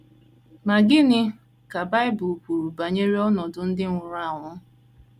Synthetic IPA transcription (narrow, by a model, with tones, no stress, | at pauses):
ma˨ɡɪ˦nɪ˦ | ka˨ba˦ɪ˦bʊ˨pu˨ɾu˨ba˨ɲe˦ɾi˦ɔ˦nɔ˨dʊ˨n̩˦dɪ˦ŋʷʊ˨ɾa˦˨ŋʷʊ˨˦